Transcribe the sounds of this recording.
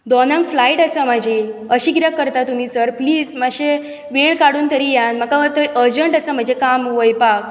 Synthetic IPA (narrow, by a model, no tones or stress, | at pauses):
d̪ɔnãŋkflaiʈəsam̤ad͡ʑʱeəɕiɡɾakːəɾt̪at̪um̤iːsəɾpliːd͡zmaɕe | ʋeɭkaɽuːnt̪əɾijãnm̤akat̪əʔəɾd͡ʑəɳʈəsam̤əd͡ʑʱekamʋəjpak̚